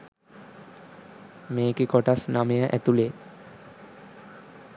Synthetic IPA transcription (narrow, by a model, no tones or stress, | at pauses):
meːkekɔʈasnamejaʔɛ̰t̪ule